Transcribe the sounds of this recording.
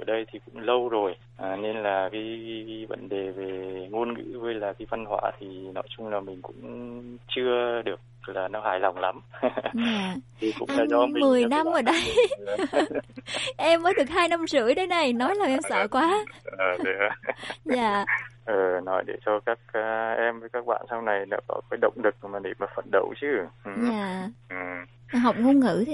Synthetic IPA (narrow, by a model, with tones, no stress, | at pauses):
ʔə˧˩ɗə˧jt̪ʰi˨˩kʊ̰˧˥ŋ͡mlə˧wzo˨˩j | ʔaː˨˩ne˧nlaː˨˩kaː˨˦jvə̰˧˥nɗe˨˩ve˨˩ŋo˧nŋɨ̰˧˥ɣə˧jlaː˨˩k̪a˨˦va˧nhwa̰ː˧˩t̪ʰi˨˩nɔ˨˦jt͡ɕʊ˧ŋ͡mlaː˨˩mï˨˩ŋ̟kʊ̰˧˥ŋ͡mt͡ɕɨ˧əɗɨ˨˩ək̚laː˨˩nɔ˨˦ɦaː˧˩jla˨˩wŋ͡mla˨˦mzaː˧˨t̪ʰi˨˩kʊ̰˧˥ŋ͡mɗa̰ː˧˥zɔ˨˦m˨˦mɨ˨˩əjna˧mʔəː˧˩ɗə˧j | ʔɛ˧mːəː˨˦jɗɨ˨˩ək̚haː˧jna˧mzɨ̰˧˥əjɗə˨˦jna˨˩jnɔ˨˦jlaː˨˩wʔɛ˧msə̰ː˧˨kwaː˨˦əː˨˩ɗɨ˨˦zaː˧˨ʔəː˨˩nɔ˨˦jɗe˧˩t͡ɕɔ˧kaː˦˥k̚ːʔɛ˧mvəː˨˦jkaː˦˥k̚ɓa̰ː˧˨nsa˧wna˨˩jɗa̰˧˦kɔ̰˨˧˦kaː˨˦jɗə̰˧˨wŋ͡mɗɨ˨˩k̚maː˨˩ɗḭ˧˨˩maː˨˩fə̰˧˨nɗə̰˧˨wt͡ɕɨ˧˦ʔɲaː˧˨ʔɨ˨˩ | ɦa˨˩wk͡p̚ŋo˧ŋɨ̰˧˩˥tʰ